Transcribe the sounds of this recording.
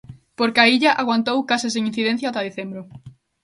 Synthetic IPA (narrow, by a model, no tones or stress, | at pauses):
poɾkaiʎaʔaɣwant̪owkasɪseŋĩn̟θiðẽn̟θjaat̪aðeθembɾʊ